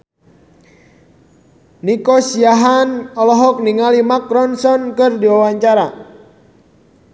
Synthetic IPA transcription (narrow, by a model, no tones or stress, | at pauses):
nikɔsiaɦanɔlɔɦɔk̚niŋalimakɾɔnsɔnkɨrdiwawaɲt͡ʃaɾa